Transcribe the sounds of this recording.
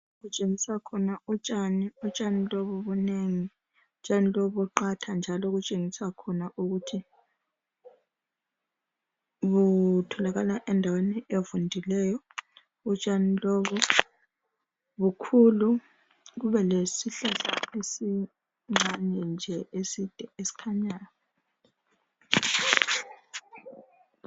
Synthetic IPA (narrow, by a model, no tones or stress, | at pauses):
ɣut͡ʃʼeŋisakʰɔnaut͡ʃʼaniut͡ʃʼanilɔβɔβuneŋi | ut͡ʃʼanilɔβɔǃatʰand͡ʒʱalɔɣut͡ʃʼeŋisakʰɔnaʔuɣutʰi | βutʰɔlaɣalaʔɛndʱawenɛʔevundʱilɛːjɔ | ut͡ʃʼanilɔβɔ | βukʰulu | ɣuβɛlesiɬasa̰esi | ŋ͡ǁaɲɛnd͡ʒʱɛʔesid̥ʱɛesi̥kʰaɲaːnɔ